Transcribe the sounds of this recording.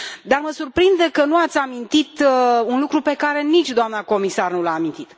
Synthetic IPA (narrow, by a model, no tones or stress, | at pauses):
d̪arməsurpɾind̪e̞kənuat̪sʲamint̪it̪unlukɾupe̞kaɾe̞nit͡ʃʲd̪oamnako̞misarnulaːmint̪it̪